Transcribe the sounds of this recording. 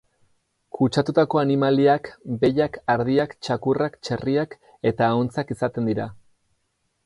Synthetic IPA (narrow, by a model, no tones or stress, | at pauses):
kut͡ʃat̪ut̪ako̞animaliakbe̞ʎakaɾðiakt͡ʃakurakt͡ʃeriak | e̞t̪aːont͡sakisat̪e̞nd̪iɾa